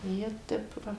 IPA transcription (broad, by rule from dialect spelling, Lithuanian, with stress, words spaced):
ˈjiɛ ˈtʲɛp ˈʋɐ